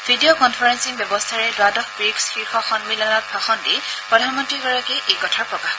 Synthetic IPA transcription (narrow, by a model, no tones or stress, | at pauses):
v̥ʱidiokɔnpʰɔɹɛnsiŋbjɔbɔstʰaɹɛdwadɔxbɹiksxiɹxɔxɔnmilanɔt̚bʰʱaxɔndipɹɔdʱanmɔntɹiɡɔɹakɛʔejkɔtʰaɹpɹɔka